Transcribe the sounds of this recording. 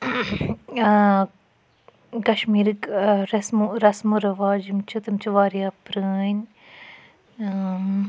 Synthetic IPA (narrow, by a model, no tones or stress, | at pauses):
kɐʃmiːɾɨkɾɐsmuɾɐsmuɾɐʋaːd͡ʒimt͡ʃʰut̪imt͡ʃʰuʋaːɾijapɾɨn